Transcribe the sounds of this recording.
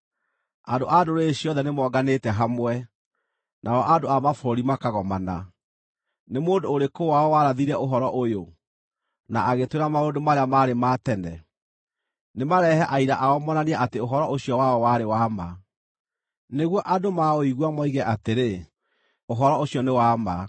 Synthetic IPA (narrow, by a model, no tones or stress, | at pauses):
andoʔadoɾeɕiɔðɛnemwɔɡanetɛɦamwɛ | nʔaɔʔadoamafɾɔɾimakaɣɔmana̰ | nemoːndoːɾekowaɔwaɾaðiɾɛoɦɔɾɔʔojo | naʔaɣetweɾamaodomaɾeamaːɾematɛnɛ̰ | nemaɾɛhɛʔaiɾaʔaɔmɔnaneɛʔateoɦɔɾɔʔoɕiɔwaɔwaɾewaːma | neɣwɔʔadomaoiɣwamɔiɣɛʔateɾe | oɦɔɾɔoɕijɔnewaːma